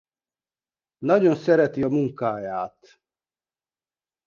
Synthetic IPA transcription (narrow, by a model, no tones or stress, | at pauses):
nɒɟo̞nsɛɾɛt̪iɒmuŋkaːjaːt̪